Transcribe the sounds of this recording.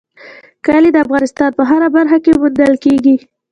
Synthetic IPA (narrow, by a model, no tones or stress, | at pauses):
kaled̪əafɣɑnɪst̪ɑnpəɦaɾabaɾxakemund̪əlkeɡi